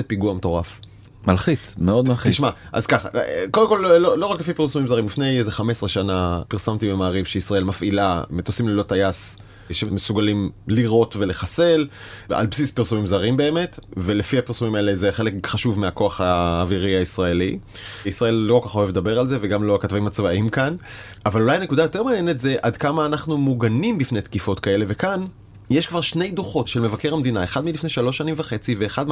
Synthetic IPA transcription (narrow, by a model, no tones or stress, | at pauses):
epiɡuameto̞ʁaf | malχit͡smeo̞d̪malχt̪iʃmaʔa̰zkaχa̰kodemko̞llolo̞ʁaklefipiʁsumimzaʁimlifne̞jzeχame̞sʁeʃanapiʁsamt̪ibemaːʁivʃeisʁae̞lmafʔilamet̪osimlelo̞tajas | ʃemesuɡalimliʁo̞tve̞leχase̞la̰lbsispiʁsumimzaʁimbe̞ːme̞tve̞lefiapiʁsumimaele̞zeχe̞le̞kχaʃuvmeako̞aχaːviʁiaisʁae̞lḭisʁae̞lːokokaχo̞e̞vdabe̞ʁalze̞veɡamlo̞akatvaimat͡svaimkan | avalulajne̞kudajotemaːnjenetze̞ʔad̪kamaːnaχnumuɡanimbifnet̪kifo̞tkae̞le̞ve̞kan | jeʃkvaʁʃne̞jdoχo̞tʃelme̞vake̞ʁamed̪inaeχad̪milifneʃalo̞ʃːanimvaχe̞t͡siveːχadm